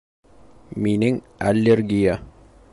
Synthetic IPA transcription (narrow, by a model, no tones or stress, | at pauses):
minɘŋ | ælʲːeɾɡʲija